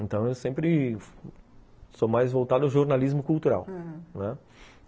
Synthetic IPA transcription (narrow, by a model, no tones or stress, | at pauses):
ẽnt̪ɐ̃w̃ewsẽmpɾɪ | somajzvowt̪ad̪ʊawʒoɾnalizmʊkuwt̪uɾa̰wnɛ